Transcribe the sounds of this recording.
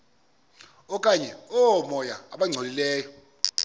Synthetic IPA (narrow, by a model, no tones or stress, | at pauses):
ɔkʼaɲɛɔɔmɔjaːɓaŋ͡ǀʱolilɛːjɔ